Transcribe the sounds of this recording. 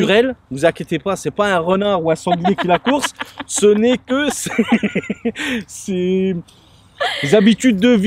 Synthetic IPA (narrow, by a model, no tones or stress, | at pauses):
yʁɛlvuzakʲet̪epasɛpaɛ̃ʁənaʁuɛ̃sɑ̃ɡlekʲilakuʁsːənɛkəsɛ | sɛ | dezabit̪yd̪ːəv